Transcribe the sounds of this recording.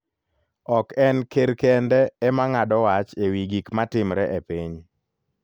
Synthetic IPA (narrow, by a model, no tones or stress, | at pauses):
ɔkɛnkeɾkɛndɛːmaŋadɔwat͡ʃewiɡikmatɪmɾɛʔepiɲ